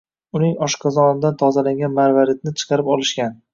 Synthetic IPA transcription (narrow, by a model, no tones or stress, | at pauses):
ʊnɪŋɒʃqʰɑzɒnɪd̪ant̪ʰɒzalaŋɡʲanmaɾvaɾet̪̚nɪt͡ʃʰɨ̥qʰɑɾɪpɒlɪʃkʲan